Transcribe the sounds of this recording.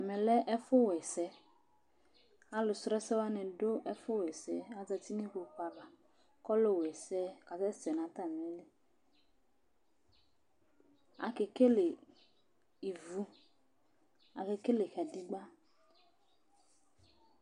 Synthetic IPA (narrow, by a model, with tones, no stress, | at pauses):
a˨mɛ˨lɛ˦ʔɛ˦fʊ˦wɛ˨sɛ˨˦ | a˦lʊ˨sɾɛ˦sɛ˦wa˦nɪ̃˨do˦ʔɛ˦fʊ˦wɛ˨sɛ˨a˨d͡za˧ti˦ni˦ko˧k͡pa˨ba˨ | kɔ˦lo˦˨wɛ˨sɛ˦ka˨sɛ˦sɛ˨nã˨˦t̪a˦˨mɛ˨le˦ | a̰˨ke˨ke˦le˨ | i˨vu˦ | a̰˨ke˧ke˦le˨xa˨di˦ɡ͡ba˦